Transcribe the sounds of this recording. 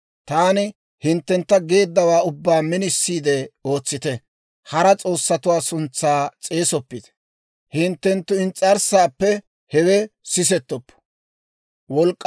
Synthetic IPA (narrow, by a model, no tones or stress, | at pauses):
t̪aːnɪ | hɪnt̪ːɛnt̪ːɐɡe̞ːd̪ːɐwaːʊbːaːmɪnɪsːiːd̪ɛo̞ːt͡sːɪt̪ɛ | hɐɾɐt͡sʼo̞ːsːɐt̪ʊwaːsʊnt͡sːaːt͡sʼe̞ːsɔpːɪt̪ɛ̥ | hɪnt̪ːɛnt̪ːʊɪnt͡sʼːɐɾsaːpːɛ | hɛwɛsɪs̬ɛt̪ːɔpːɔ̥ | wɔlkʼː